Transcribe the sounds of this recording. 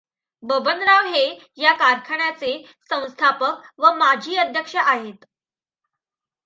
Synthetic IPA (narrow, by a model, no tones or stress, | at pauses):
bəbənɾaʋɦe | jakaɾkʰəɳjat͡se | sə̃w̃st̪ʰapək̚ʋəmad͡ʑʱiːəd̪ʱjəkʂəʔaɦet̪